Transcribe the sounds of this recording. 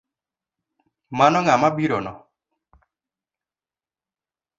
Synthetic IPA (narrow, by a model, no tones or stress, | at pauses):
manɔŋamabiɾonɔ